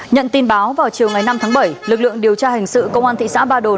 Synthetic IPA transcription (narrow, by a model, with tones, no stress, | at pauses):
ɲə̰˧˨nt̪i˧nɓaː˨˦wvaː˨˩wt͡ɕi˨˩əwŋa˨˩jna˧mt̪ʰaː˨˦ŋɓə˧˩jlɨ˨˩k̚lɨ̰˧˨əŋɗi˨˩əwt͡ɕaː˧hï˨˩ŋ̟sɨ̰˧˨kə˧wŋ͡mʔaː˧nt̪ʰḭ˧˨sa̰ː˧˥ɓaː˧ɗo˨˩